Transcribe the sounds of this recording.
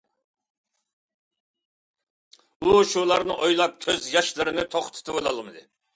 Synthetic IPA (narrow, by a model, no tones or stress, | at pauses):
uʃulˠɑɾnɨʔojlˠɑp̚kʲʰøzjɑʃlˠɨɾɪnɪt̪ʰoχt̪ʰɨ̥t̪ʰɨbolˠɑ̰lˠmɨd̪ɨ